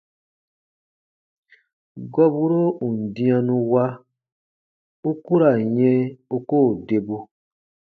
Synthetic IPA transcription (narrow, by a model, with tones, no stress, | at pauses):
ɡɔ˦bu˦ɾo˦u˨n̩˨dĩ˦ã˧nũ˧wa˦ | u˦ku˦ɾa˨jɛ̃˦u˦koː˦˨de˨bu˧